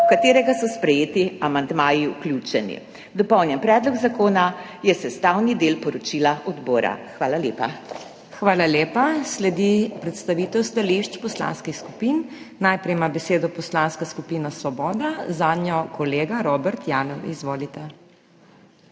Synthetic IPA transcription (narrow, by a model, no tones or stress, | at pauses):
ukat̪eːɾɛɡasɔspɾɛjeːt̪iamand̪maːjiuklʲut͡ʃɛnḭ | d̪ɔpɔwnjɛnpɾɛːd̪lɔɡzakoːna | jɛsɛst̪awnid̪eːlpɔɾɔt͡ʃilaʔɔd̪boːɾa̰xʋaːlaljeːpa | xʋaːlaleːpaslɛd̪ipɾɛt̪st̪aʋiːt̪ɛwst̪aliʃt͡ʃpɔsla̰ːnskixskupinː | ajpɾɛjmabɛseːd̪ɔpɔslaːnskaskupiːnasʋɔbɔːd̪azaːd̪njɔkɔleːɡaɾɔːbɛɾt̪jaːnɔwḭzʋoːlit̪ɛ